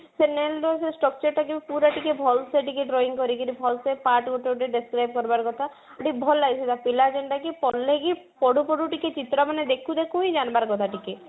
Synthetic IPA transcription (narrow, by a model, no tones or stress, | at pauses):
senelɾɔsesʈɔk̚t͡ʃɔɾʈ̪ʰakibpuɾaʈikebʱɔlseʈikeʈɾoiŋkɔɾikiɾibʱɔlsepaʈɡoʈeoʈeɖiskɾajb̚kɔɾbaɾkɔt̪ʰa | ʈibʱɔlːajsʰid̪apilad͡ʒeɳʈakipɔlːeki | pɔɽupɔɽuʈiket͡ʃit̪ɾɔmaned̪ekʰud̪ekʰuĩd͡ʒanbaɾkɔt̪ʰaʈike